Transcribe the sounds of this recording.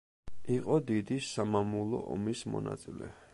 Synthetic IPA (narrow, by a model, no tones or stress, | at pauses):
iqʼɔd̪id̪isamamulˠɔ̰ʔɔmismɔ̰na̰t̪sʼilɛ̰